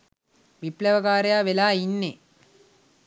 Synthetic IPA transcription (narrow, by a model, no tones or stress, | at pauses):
ʋiplɐʋɐɡaːɾejaːʋelaːinːe